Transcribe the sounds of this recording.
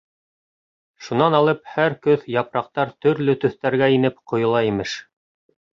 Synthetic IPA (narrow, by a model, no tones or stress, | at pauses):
ʃunɑnɑlˠɤp̚hæɾkɵðjɑpɾɑq̚t̪ɑɾt̪ɵ̆ɾlɵt̪ɵ̆θt̪æɾɡæinɘp̚qŏjŏlˠɑimɘʃ